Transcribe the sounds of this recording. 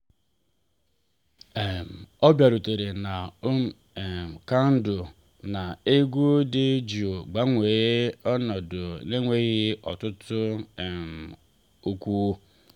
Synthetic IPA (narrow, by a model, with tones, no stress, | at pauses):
e˨m˨ɔ˦bja˨ɾu˨te˨ɾe˨na˨o˦m˨ | e˨m̩˨ka˦n̩˦dʊ˨ | na˨e˦ɡʷu˦dɪ˦d͡ʒi˨o˨ɡ͡ba˦ŋʷe˨ɣe˦ɔ˦nɔ˨dʊ˨ne˦ŋʷe˦ɣɪ˦ɔ̰˨tʊ˦tʊ˦e˨m˨ | o˦kʷu˦